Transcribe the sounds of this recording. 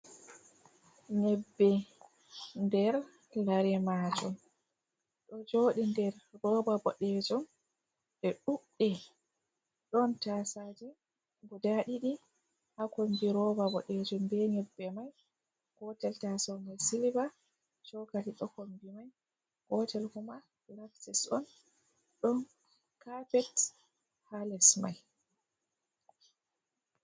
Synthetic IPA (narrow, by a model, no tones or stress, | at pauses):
ɲɛbːɛ | ndɛɾ | laɾɛmad͡ʒɔm | ɗɔd͡ʒoɗindɛɾːɔbabɔɗɛd͡ʒum | ɓɛɗuɗːɛ | ɗɔntasad͡ʒɛ | ɡudaɗiɗi | hakombiɾɔvabɔʔed͡ʒumbɛɲɛbːɛmaj | ɡ̥ɔtɛltasɔmajsiliba | t͡ʃɔkaliɗɔkombimaj | ɡ̥ɔtɛlkuma | laksɛsɔn | ɗɔn | kapɛt | halɛsmaj